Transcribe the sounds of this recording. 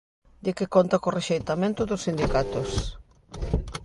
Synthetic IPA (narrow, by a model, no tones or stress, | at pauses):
d̪ɪkɪkont̪ɐkoreʃejt̪amẽnt̪ʊðʊsːind̪ikat̪ʊs